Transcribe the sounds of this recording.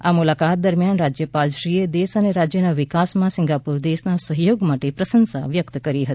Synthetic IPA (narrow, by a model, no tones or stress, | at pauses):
amulakat̪̚d̪əɾmjanɾad͡ʒjəpalʃɾied̪esəneɾad͡ʒjənaʋɪkasmãsɪŋɡapuɾd̪esnasəɦjoɡmaʈepɾəsənsa̰ʋjəkt̪kəɾiɦət̪i̥